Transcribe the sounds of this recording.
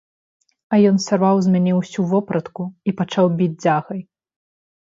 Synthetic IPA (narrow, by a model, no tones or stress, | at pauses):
ɐjɔnsʲarvawzʲmʲanʲɛwsʲuvɔpɾɐt̪kuipat͡ʂawbʲid͡zʲd͡zʲaɣɐj